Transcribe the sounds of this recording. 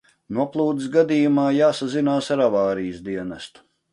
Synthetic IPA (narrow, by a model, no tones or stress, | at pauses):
nuɔplˠuːd̪is̬ɡad̪ijumaːjaːsazinaːsaɾavaːɾijəsd̪iɛnast̪u̥